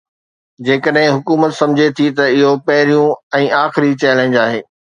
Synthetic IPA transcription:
d͡ʑeːkəɗɦɪ̃ɦʊkuːmət̪sɐ̃md͡ʑʱet̪ʰit̪ɐɪɦopɐɦɪɾijũɛ̃ːaːxɪɾit͡ɕɛːlẽːɲd͡ʑaːɦeː

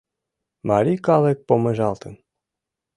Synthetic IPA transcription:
mɑɾʲikɑlek̚pomeʒɑlˠt̪ə̆n

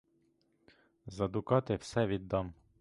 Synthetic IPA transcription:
zɐd̪ukɑt̪efsɛʋid̪ɑm

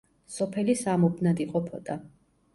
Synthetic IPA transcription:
sɔpʰɛlisamubnad̪iqʼɔpʰɔ̰t̪ʼa

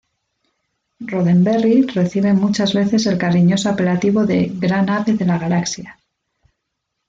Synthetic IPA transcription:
roðe̞mbe̞rire̞θiβ̞e̞mut͡ʃazβe̞θe̞se̞lkaɾiɲo̞soape̞lat̪iβ̞o̞ðe̞ɣɾanaβe̞ðe̞laɣ̞alaksja

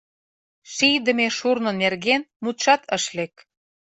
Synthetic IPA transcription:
ʃijd̪ə̆meʃurnɤ̆nerɣenmut̪ʃɑt̪ʰəʃlek

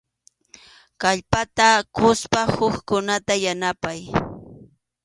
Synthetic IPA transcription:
kaʎpat̪akʊspahʊχkʊnat̪ajanapaj

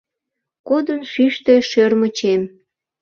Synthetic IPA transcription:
kod̪ənʃyʃt̪e̽ʃørmət͡ɕem

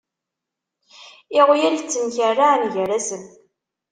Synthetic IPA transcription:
ɪʁjælt͡sːənçərːanʝəɾæsən

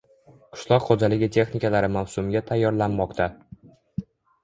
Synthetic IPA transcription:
qʰʊ̥ʃlˠɒqχod͡ʒalɪɡʲɪt̪ʰe̞χnɪkalaɾɪmawsʊmɡʲat̪ʰajːɒɾlanmɒqt̪ʰa

